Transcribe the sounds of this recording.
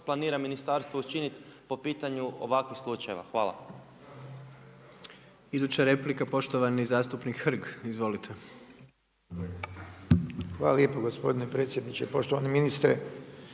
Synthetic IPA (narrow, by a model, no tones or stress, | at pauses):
plˠaniːɾaminist̪aɾst̪ʋout͡ʃinit̪po̞piːt̪aɲuo̰ʋakʋixslˠut͡ʃajeʋa̰xʋaːlˠa̰ | id̪uːt͡ɕaɾe̞plikapo̞ʃt̪oʋanizaːst̪upnikxr̩ɡizʋo̞lit̪ʰe̞ | xʋa̰ːlˠaljepoɡospo̞d̪inepɾe̞t̪sjed̪nit͡ɕepo̞ʃt̪oʋaneminist̪ɾe